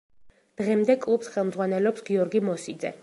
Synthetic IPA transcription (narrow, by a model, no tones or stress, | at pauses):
d̪̥ʁɛmd̪ɛkʼlˠupsχɛlˠmd̪zʁwanɛlɔpsɡiɔɾɡimɔsid̪zɛ̰